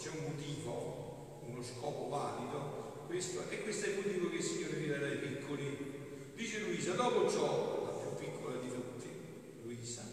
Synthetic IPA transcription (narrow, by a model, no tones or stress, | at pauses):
t͡ʃɛummot̪iːvo | unoskɔːpovaːlid̪o | kwest̪oʔɛkːwest̪oɛlmot̪iːvokelsːiɲːoːɾemiɾeɾaipikʰːoli | d̪iːt͡ʃeluiːsad̪ɔːpot͡ʃɔlapjupːikʰːolad̪it̪ut̪ːi | luiːsa